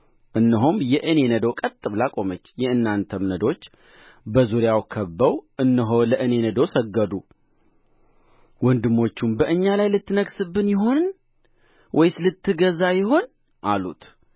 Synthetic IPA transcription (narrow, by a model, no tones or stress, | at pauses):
ʔɨnːɨɦumjɛʔɨne̞nəd̪okʼət̪ʼːɨβlakʼo̞mət͡ʃːjɛɨnːant̪ʰəmnəd̪o̞t͡ʃː | bəzuɾjawkʰəbːəwʔɨnːɨɦoləʔɨne̞nəd̪osəɡːəd̪u | wɔnd̪ɨmːo̞t͡ʃːumbəʔɨɲːalajlɨt̪ːɨnəɡsɨbːɨnjɪɦo̞n | wʔɔjsɨlɨt̪ʰːɨɡəzajɪho̞n | ʔalṵt̪ʰ